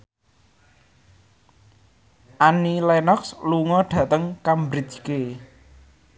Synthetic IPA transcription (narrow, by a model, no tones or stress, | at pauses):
ʔanilɛnɔksluŋɔɖ̥ä̤t̪əŋkambɾi̥d͡ʒke